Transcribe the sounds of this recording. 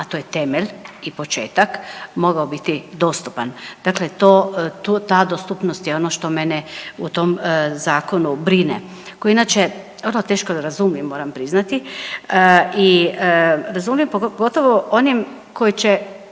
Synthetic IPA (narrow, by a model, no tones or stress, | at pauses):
at̪oːjet̪e̞meʎʲipo̞t͡ʃe̞ːt̪akmo̞ɡaobit̪id̪o̞ːst̪upand̪̥aklet̪ot̪ut̪aːd̪ost̪upnost̪jeo̞noʃt̪o̞meneut̪o̞mzaːko̞nubɾinḛ | koinat͡ʃe | ʋərlot̪e̞ːʃkod̪aɾazuːmjimːo̞ːɾampɾiznat̪iəi | ɾazuːmjimpoɡo̞t̪oʋoʔonim | ko̞it͡ɕe